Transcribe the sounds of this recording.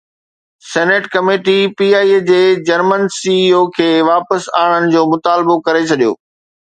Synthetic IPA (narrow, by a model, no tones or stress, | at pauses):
sɛːneːʈkɐmeːʈipiːaːied͡ʑeːd͡ʑɐɾmənsiːiokʰeːʋaːpəsaːɽ̃ənɪ̆d͡ʑoːmʊt̪aːlbokɐɾet͡ɕʰɐɗijo̰ː